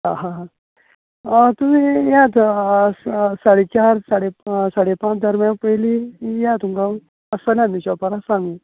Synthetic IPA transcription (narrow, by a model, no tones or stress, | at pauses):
ɦãɦãɦã | t̪um̤iːjat̪ | saɽet͡ɕaɾsaɽesaɽepãt͡sd̪ʱəɾmjãpəjlijat̪umka | əsəlãnːiɕɔpaɾasãŋɡũ